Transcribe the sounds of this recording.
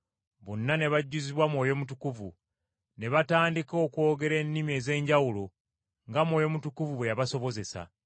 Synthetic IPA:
βonːane̞βaɟːuziβwamwo̞ːjo̞mutukuvu | ne̞βataːndiko̞ːkwo̞ːɡe̞ɾe̞nːimie̞ːze̞ːɲɟawulo̞ | ŋɡamwo̞ːjo̞mutukuvuβwe̞jaβaso̞βo̞ze̞sa̰

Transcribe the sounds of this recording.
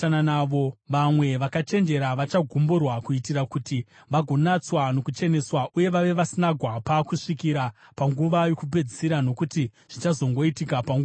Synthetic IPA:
ananaːʋo̞ʋamwe̞ʋakat͡ʃe̞nd͡ʒe̞ɾaʋat͡ʃaɡʱumborwakuitiɾakuti | ʋaɡʱo̞nat͡swano̞kut͡ʃe̞ne̞swaʔuje̞ʋaʋe̞ʋasinaɡʱwapakuʂikiɾapaŋɡuʋajo̞kup̬e̞d͡zisiɾano̞kuti | ʐ̥it͡ʃazo̞ŋɡo̞itikapaŋɡu

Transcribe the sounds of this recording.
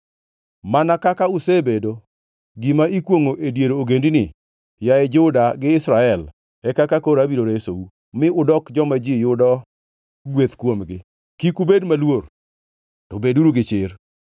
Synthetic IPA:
manakakaʊsebedo | ɡimaikwoŋoʔedjeɾooɡendinɪ | jaɛd͡ʒʊdaɡɪɪsɾaɛl | ɛkakakoɾabiɾoɾesou | mɪʊdɔkd͡ʒɔmad͡ʒijʊdɔ | ɡwet̪kwomɡɪ | kikubedmalwoɾ | tobeduɾuɡɪt͡ʃɪr

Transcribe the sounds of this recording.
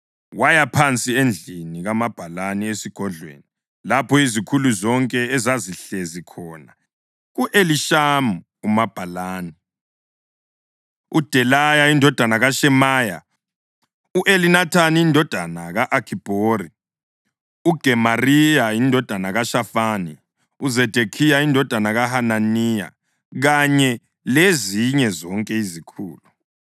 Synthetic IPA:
wajapʰant͡sʼiend͡ɮʱiniɣamab̥ʱalaniesiɡ̥ʱɔɮwḛni | lapʰɔizikʰuluzɔŋkʼɛɛzaziɬezikʰɔːna | ɣuʔeliʃamu | umab̥ʱalaːni | ud̥ʱɛlajaindʱɔd̥ʱanaɣaʃɛmaja̰ | uʔelinatʰaniːndʱɔd̥ʱanaɣaʔakʰib̥ʱoɾi | uɡ̥ʱɛmarijaindʱɔd̥ʱanaɣaʃafaːni | uzɛd̥ʱekʰijaindʱɔd̥ʱanaɣaɦananija̰ | ɣaɲɛ | leziɲɛzɔŋkʼɛizikʰṵːlu

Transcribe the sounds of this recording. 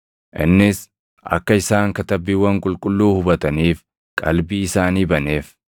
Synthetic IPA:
ʔɪ̰nːɪs | ʔɐ̰kːɐɪsaːŋkɐt̪ɐbːiːwːɐŋkʼʊlkʼʊlːuːhʊbɐt̪ɐniːf | kʼɐ̰lbiːɪsaːniːbɐne̞ːf

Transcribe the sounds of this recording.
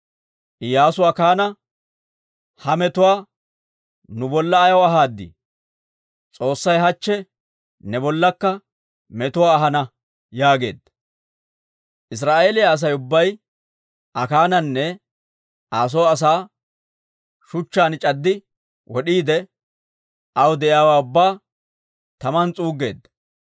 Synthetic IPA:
ʔɪjaːsʊwakaːnɐ | hɐmɛt̪ʊwaː | nʊbɔlːɐːjɐwɐɦaːd̪ːḭ | t͡sʼo̞ːsːɐjɦɐt͡ʃːɛ | nɛbɔlːɐkːɐ | mɛt̪ʊwaːɐɦɐnɐ | jaːɡe̞̰ːd̪ | ʔɪs̬ɾaːʔeːlɪjaːs̬ɐjʊbːɐj | ɐkaːnɐnːɛ | aːs̬ɔːɐs̬aː | ʃʊt͡ʃːaːnɪt͡ʃʼɐd̪ːɪ | wɔɗiːd̪ɛ | ɐwd̪ɛʔɪjaːwaːʊbːaː | t̪ɐmɐnt͡sʼuːɡe̞̰ːd̪

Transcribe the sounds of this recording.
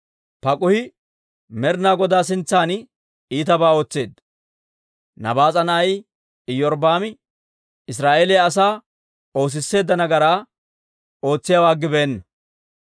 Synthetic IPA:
pɐkʼʊhɪ | mɛɾnaːɡɔd̪aːs̬ɪnt͡sːaːn | iːt̪ɐbaːo̞ːt͡sːe̞ːd̪ | nɐ̰baːt͡sʼɐnɐɐj | ɪjːɔɾbaːmɪ | ɪs̬ɾaːʔeːlɪjɐɐs̬aː | o̞ːs̬ɪsːe̞ːd̪ːɐnɐɡɐɾaː | o̞ːt͡sːɪjawaːɡːɪbeːnːɐ

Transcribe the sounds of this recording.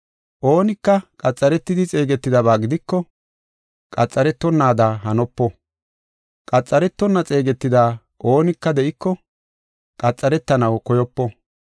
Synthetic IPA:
ʔo̞ːnɪkːɐkʼɐt͡sʼːɐɾɛt̪ːɪd̪ɪt͡sʼe̞ːɡɛt̪ːɪd̪ɐβaːɡɪd̪ɪkːɔ | kʼɐt͡sʼːɐɾɛt̪ːɔnːaːd̪aːɦɐnɔpːɔ | kʼɐt͡sʼːɐɾɛt̪ːɔnːɐt͡sʼe̞ːɡɛt̪ːɪd̪aː | ʔo̞ːnɪkːɐd̪ɛʔɪkːɔ | kʼɐt͡sʼːɐɾɛt̪ːɐnɐwkɔjɔpːɔ

